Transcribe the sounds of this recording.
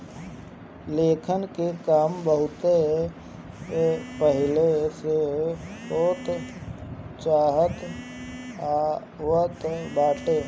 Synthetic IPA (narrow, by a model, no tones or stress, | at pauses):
leːkʰənkekaːmbəɦʊt̪e | epəɦɪlese | ot̪ | t͡ʃaːɦət̪ | a | ʋət̪baːʈe